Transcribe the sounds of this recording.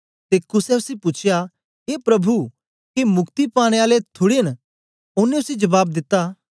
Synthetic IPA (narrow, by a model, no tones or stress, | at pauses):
t̪eːkʊsɛʊsipʊt͡ʃʰɪja | eːpɾɐbʱu | kemʊkt̪ipaːɽ̃eaːlet̪ʰʊɽeən | ʊnẽʊsid͡ʒɐbaːb̚d̪ɪt̪ːaː